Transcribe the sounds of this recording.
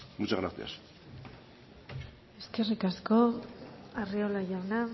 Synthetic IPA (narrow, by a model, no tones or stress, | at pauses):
mut͡ʃaɣɾaɾt̪ḭa̰s | e̞ske̞rikasko | ariolaʝawna